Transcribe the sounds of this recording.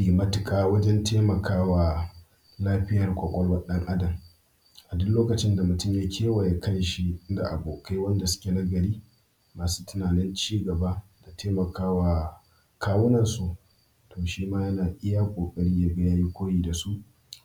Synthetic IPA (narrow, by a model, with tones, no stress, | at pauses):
i˨mɐ˦tɪ˨kʼaː˦wɐ˦d͡ʒɛ˦ntʰeː˦mɐ˨kʰaː˦waː˨ | laː˦ɸɪ˦jɐ˨rkʷʼɐ˨kʷʼɔ˦ɽwɐ˦ɗɐ˦ŋʔa˦dɐ˨m | ʔa˨dʊ˦nloː˦kɐ˨t͡ʃɪ˦nda˨mʊ˨tʊ˦mjaː˦kʲʰeː˦wa˨ja˦kʰɐ˦jʃi˦da̰˨ʔa˨boː˨kʰa˦wɐ˦nda˨sʊ̥˦kʲe˨na˦ɡɐ˨ɽiː˦ | maː˨su̥ː˦tʊ˦naː˨nɪ˦nt͡ʃiː˦ɡɐ˨ba˦da˨tʰeː˦mɐ˨kaː˦waː˨ | kaː˦wʊ˦nɐ˨nsu˨ | tʰoː˨ʃiː˦maː˦jɐ˦naː˨ʔɪ˦ja˦kʷʼoː˨kʼɐ˦ɽiː˦ja˦ɡɐ˦jaː˦ji˦kʷoː˦jiː˦˨da˨su˦ʔ